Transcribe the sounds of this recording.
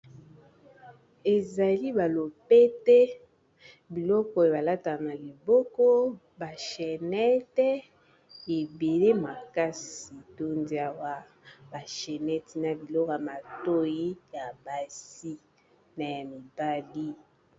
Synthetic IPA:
e˨za˨li˦ba˨lo˨pe˦tɛ˦ | bi˨lɔ˦kɔ˨e˨ba˨la˦ta˨kna˨li˨bɔ˦kɔ˦ | ba˨ʃɛ˨nɛ˦tɛ˦ | e˨be˨le˦ma˨ka˦si˨to˦nzi˦a˦wa˦ | ba˨ʃɛ˨nɛ˦ti˦na˨bi˨lɔ˦kɔ˨a˨ma˨to˦ji˦ja˨ba˦si˦ | na˨ja˨mi˨ba˦li˦

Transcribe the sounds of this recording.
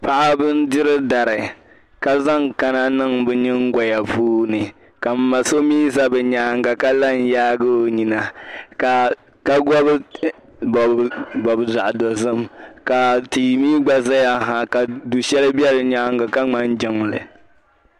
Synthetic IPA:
pa˨ʔa˦bɨ˦n˦dɪ˦ɾɨ˦da˨ɾɨ˨ | ka˦za˦ŋka˦na˦nɨ˦ŋbɨ˦ɲɨ˦ŋ˦ɡa˨ja˨puː˦nɨ˨ | ka˨m̩˦ma˨so˦miː˦za˦bɛ˨ɲaː˨˦ŋɡa˨ka˦la˦n˦jaː˦ɡo˦˨ɲi˨na˨ka˨ | ka˦ɡɔ˦b | bbɔ˨bɨ˨za̰˨ʔdɔ˨zɨ˦mka˨tiː˨miː˦ɡ͡ba˨za˦ja˨ɦa˨ka˨du˨ʃɛ˦lɨ˦bɛ˦lɨ˨ɲaː˦˨ŋɡa˨ka˦ŋ͡ma˦n˦d͡ʒɪ˨ŋlɨ̰˨

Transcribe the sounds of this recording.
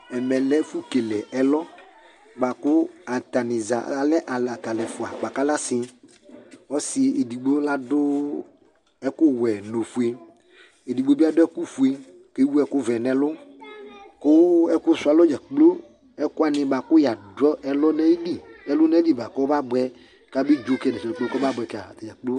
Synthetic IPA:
ɛ˨mɛ˨lɛ˦fu˦ke˨lɛ˨ʔɛ˨lɔ˦ | ba˨kʊ˦a˨t̪a˨nɪ˨za̰˨a˨lɛ˦ʔa˨la˨ta˨lɛ˨fʊ˨a˨k͡pa˨ka˦la˦sɪ˧ | ɔ˦sɪ˨e˨di˨ɡ͡bo˦la˦dʊ˦ | ɛ˦kʊ˦wɛ˨no˨fu˨e˨ | e˨di˨ɡ͡bo˦bi˦a˦dʊ˦ɛ˦ku˦fu˨e˨ | ke˦wu˦ɛ˦kʊ˦vɛ˨nɛ̃˨lʊ˦ | kʊ˦ɛ˦kʊ˦sʊ˦a˨lɔ˦d͡ʒa˨k͡plo˦ | ɛ˦kʊ˦a˨nɪ̃˧ba˨kʊ˦ja˨dɔ˦ʔɛ˨lɔ˦nɛ˦i˦di˦˨ɛ˨˦lʊ˦nɛ˦di˦ba˨kɔ˦ba˦bʊ˨ɛ˨ | ka˦bi˦d͡ʒo˦kɛ˨nɛ˨t͡ʃk͡plo˦kɔ˦ba˦bʊ˨ɛ˨kɛ˦˨a˨a˨t̪a˨d͡ʒa˨k͡plo˦

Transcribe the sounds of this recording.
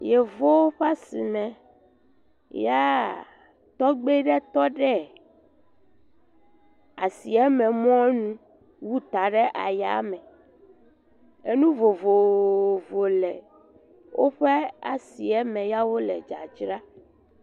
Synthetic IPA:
je˨vo˦ɸa˦si˨mɛ̃˨ | ja˦ | t̪ɔ˦ɡ͡be˦ɖɛ˦t̪ɔ˦ɖɛ˦ | a˨si˨ɛ˦mɛ̃˨mɔ̃˦nũ˦ | wu˦t̪a˨ɖɛ˦ʔa˨ja̰˦mɛ̃˨ | e˦nũ˦vo˨vo˨vo˨lɛ˨ | wʔo˦ɸɛ˦a̰˨si˨ɛ˦mɛ̃˨ja˦wo˦lɛ̰˨d͡ʒa̰˨d͡ʒɾa˦

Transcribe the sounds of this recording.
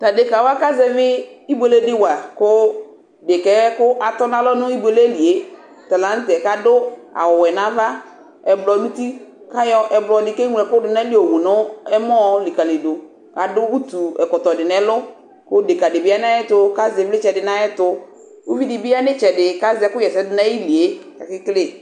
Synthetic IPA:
ta˨dɪ˦ka˨wa˦ka˦zɛ˨vɪ˦i˦bʷe˨˦le˦dɪ˦wa˨kʊ˦ | dɪ˨kɛ˦kʊ˦ʔa˨tɔ˦na˦lɔ˦nʊ˦i˦be˦le˦li˨e˦ | ta˨lã˨˦n̩˦tɛ˨ka˨dʊ˦a̰˨wʊ˨wɛ˨nã˦va˦ | ɛ˨blɔ˨˦nu˦ti˦ | ka˦jɔ˦ʔɛ˨blɔ˨lɪ˨ke˦ŋʷ˦˨ɛ˨kʊ˦dɪ˨nɛ˦lɪ˦o˨ŋu˨nʊ˦ɛ˦mɔ˦li˨ka˨lɪ˨do˨ | ka˨dʊ˦u˦tu˨ɛ˨kɔ˨tɔ˨dɪ˨nɛ˦lʊ˦ | kʊ˦de˨ka˨dɪ˨bɪ˦a˦nã˦ɛ˦tʊ˦ka˦zɪ˨ɛ˨vlɪ˦t͡ʃɛ˨dɪ˨nã˦ɛ˦tʊ˦ | u˦vi˦dɪ˨bɪ˦a˦nɪ˦t͡ʃɛ˨dɪ˨ka˦zɛ˦kʊ˦jɛ˨sɛ˦dʊ˦na˦i˦li˨e˦ka˨kɪ˦klɪ˦˨

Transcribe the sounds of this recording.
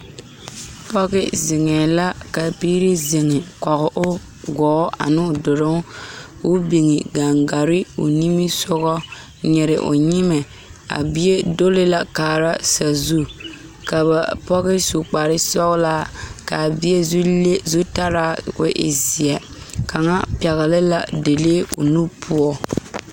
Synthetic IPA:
pɔ˦ɣɪ˦zɪ˨ŋɛ˨la˦ka˨biː˦ɾɪ˦zɪ˨ŋɪ˨kɔ˨ɣɪ˨ʔʊ˦ | ɡɔ˨˦ʔa̰˨nɪ˦˨dʊ˨ɾʊ˦ŋ˦ | ʊ˦bi˨ŋɪ˨ɡa˨ŋɡa˨ɾɪ˦o̰˨ni˦mi˦sʊ˦ɣɔ˦ | ɲɛ˨ɾɪ̰˨ʔʊ̰˨ɲɪ˦mɛ˨ | a̰˨bi˦e˦do˦lɪ˦la˨kaː˨ɾa˦sa˨zu˦ | ka˨ba˨pɔ˦ɣɪ˦su˨k͡pa˨ɾɪ˦sɔ˦ɣla˦ka˨bi˦ɛ˦zu˦ta˦ɾaː˦kʊ̰˦ʔɪ̰˨zi˨ɛ˨ka˨ŋa˦pɛ˨ɣa˨lɪ˦la̰˨de˨le˦o̰˨nu˦pʰu˦ɔ˦

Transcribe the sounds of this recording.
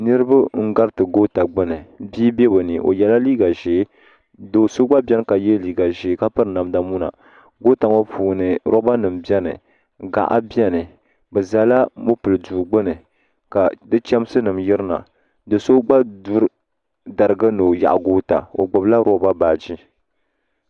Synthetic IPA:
nɨ˦ɾɨ˦ba˦ŋ̩˦ɡa˦ɾtɨ˨ɡo˦ta˨ɡ͡bɨ˦nɨ˨biː˦be˦bo˨nɨ˨ʔo̰˨jɛ˨la˦liː˦ɡa˨ʒeː˨˦ | do˨so˦ɡ͡ba˦bʲɛ˦n˦ka˨jɛ˦liː˨˦ɡa˨ʒeː˨˦ka˦pɨ˦ɾɨ˨na˨mda˦mu˦na̰˨ | ɡo˦ta˨ŋa˦pʰuː˨nɨ˨ɾɔ˦ba˦nɨ˨m̩bi˦ɛ˦nɨ̰˨ | ɡa̰˨ʔa̰˦bjɛ˦nɨ˨ | bɨ˨za˨la˦mo˦pɨ˨lɨ˨duː˨ɡ͡bɨ˦nɨ˨ | ka˨dɨ˦t͡ʃɛ˦m˦sɨ˦nɨ˨mjɪ˦ɾɨ˦na̰˨ | dɨ˨so˦ɡ͡ba˦du˦ɾ | da˨ɾɨ˨ɡɨ˦no˨ja̰˨ʔa˨ɡoː˦ta̰˨o̰˨ɡ͡bʊ˨bla˦ɾɔ˦ba˦baː˨d͡ʒi˦

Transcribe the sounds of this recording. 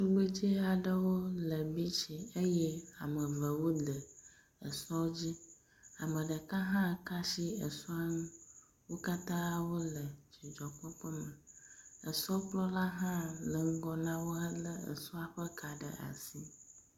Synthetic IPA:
nũ˦ɡ͡be˦d͡ʒi˦a˨ɖə˦wo˦lə˨bi˦t͡ʃi˨e˦jɛ˦a̰˨mə˨və˨wo˦də˨ | ə˨sɔ˦wd͡ʑi˦ | a˨mə˨ɖə˨ka˦ɦã˦ka˦ʃi˦ə˨su˦a˦ŋũ˦ | wo˦ka˦t̪ã˦wo˦lə˨t͡ʃi˨d͡ʒɔ˨k͡pɔ˦k͡pɔ˦mə˨ə˨sɔ˦k͡plɔ˦la˦ɦã˦lə˨ŋ̩˦ɡɔ˦nã˦wo˦a˦lə˦ə̰˨su˦a˨ɸə˦ka˨ɖə̰˨ʔa̰˨si˦

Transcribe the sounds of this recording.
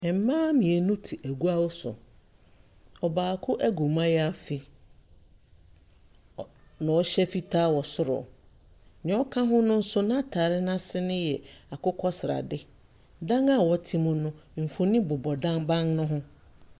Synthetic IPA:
ɛ˨m̩˨˦mãː˦mĩ˨e˨nũ˦tʰi˨ʔæ˨ɡu˦a˦wʊ˦sʊ̰˨ | ɔ˨baː˨kʰʊ˦ʔæ˦ɡu˨mã˦jɛ˦a˦fi˦ | nã˨ɔ˦ɕɛ˦fi˦tʰa˦wɔ˨sʊ˦ɾɔ̰˨ | nɪ̃˨˦ɔ˦kʰã˦ɦʊ̃˦nʊ̃˦n̩˦sʊ˦nã˦tʰa˨ɾɪ˦nã˦sɪ˦nɪ̃˦jɛ˨a˨kʊ˦kʰɔ˦sɪ˨ɾa̰˨dɪ˦ | dã˦ŋa˨wɔ˨tʰi˦mʊ̃˦nʊ̃˦m̩˨fo˨nĩ˦bʊ˨bɔ˨dã˦ŋbã˦ŋnʊ̃˦ɦʊ̃˦

